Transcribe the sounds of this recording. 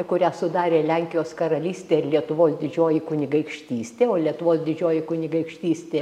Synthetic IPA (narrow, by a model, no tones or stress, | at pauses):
kʊɾʲæːsʊd̪ɑːɾʲeːlʲɛŋʲkʲɪjoːskɐɾɐlʲiːsʲt̪ʲeːɪɾlʲiɛt̪ʊʋoːsd̪ʲɪd͡ʒʲoːjɪkʊnʲɪɡɐɪkʃʲt̪ʲiːsʲt̪ʲeːoːlʲiɛt̪ʊʋoːsd̪ʲɪd͡ʒʲoːjɪkʊnʲɪɡɐɪkʃʲt̪ʲiːsʲt̪ʲeː